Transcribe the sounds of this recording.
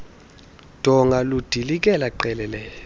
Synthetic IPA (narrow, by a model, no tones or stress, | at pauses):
d̥ʱɔŋalud̥ʱilik̬ʼɛlaǃɛlɛlɛːjɔ